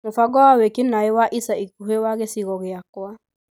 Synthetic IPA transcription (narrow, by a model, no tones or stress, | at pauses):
mofaɡɔwawekinaewaʔisaikuɦewaɣesiɣɔɣeakwa